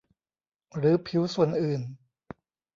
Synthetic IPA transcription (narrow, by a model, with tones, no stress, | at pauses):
ɾɯː˦pʰi˦˥wsu˨˩ənʔɯː˨˩n